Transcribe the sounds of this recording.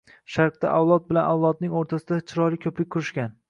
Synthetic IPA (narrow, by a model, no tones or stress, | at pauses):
ʃaɾq̚t̪a̰ʔawlˠɒt̪̚bɪlanʔawlˠɒd̪̚nɪŋoɾt̪ʰasɪd̪at͡ʃʰɪɾɒlɪkʲʰɵpɪk̚ʲkʰːʊɾɪʃkʲan